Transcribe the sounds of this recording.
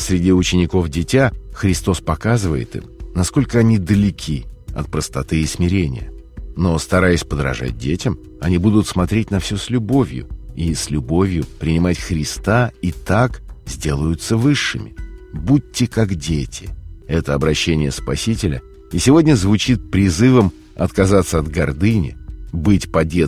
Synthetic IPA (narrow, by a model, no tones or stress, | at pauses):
sʲɾʲɪdʲiʊt͡ɕɪnʲɪko̞fdʲɪtʲaxɾʲɪst̪o̞spɐkazɨvəjɪ̰t̪ɨ̰mnɐsko̞lʲkəɐnʲid̪əlʲɪkʲʰiɐ̰t̪̚pɾəst̪ɐt̪ɨɪsmʲɪɾʲenʲɪ̰jə̰ | no̞st̪ɐɾajɪsʲpəd̪ɾɐ̰ʐa̰t̚ʲdʲetʲɪm | ɐnʲibud̪ʊt̪smɐt̪ɾʲet̚ʲnɐfsʲosʲlʲʊbo̞vʲjʊ̰isʲlʲʊbo̞vʲjʊpɾʲɪnʲɪmatʲxɾʲɪst̪ait̪akzʲdʲe̞lˠəjʊt̪səvɨʂːɨmʲɪbut̚ʲːɪkakdʲetʲɪɛt̪əɐbɾɐɕːenʲɪjəspɐsʲitʲɪlʲə̰ | isʲɪvo̞dʲnʲəzvʊt͡ɕit̪̚pɾʲɪzɨvəm | ɐ̰t̪kɐzat̪sːəɐd̪ɡɐrd̪ɨnʲɪ̰bɨtʲpɐdʲe